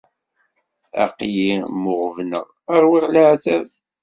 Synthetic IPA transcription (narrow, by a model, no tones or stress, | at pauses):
æ̰qjimʊʁvnə̰ʁ | əɾˤwiʁlaʕθæv